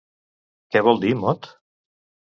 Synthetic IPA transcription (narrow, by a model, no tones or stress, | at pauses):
kɛβɔlˠd̪imɔt̪